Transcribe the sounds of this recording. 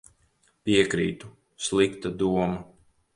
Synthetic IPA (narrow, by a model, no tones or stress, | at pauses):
piɛkɾḭːt̪u | slˠikt̪ad̪uɔma